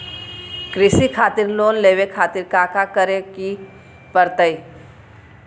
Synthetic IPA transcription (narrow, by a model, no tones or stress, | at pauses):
kɾɪsikʰaːt̪ɪɾloːnleːʋekʰaːt̪ɪɾkaːkakəɾeki | pəɾt̪əi